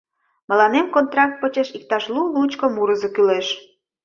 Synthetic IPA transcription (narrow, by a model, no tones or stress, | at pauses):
mə̆lɑnemkont̪rɑk̚t̪̚pət͡ɕeʃik̚t̪ɑʃlulut͡ɕkŏmuɾəzəkyleʃ